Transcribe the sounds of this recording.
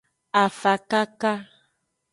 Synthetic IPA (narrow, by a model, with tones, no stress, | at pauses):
a˨fa˨ka˦ka˦